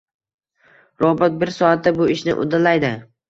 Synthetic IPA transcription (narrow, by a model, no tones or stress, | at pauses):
ɾɒbat̪̚bɪɾsɒat̪̚ːabʊɪʃnɪ̰ʔʊ̰d̪alajd̪ɪ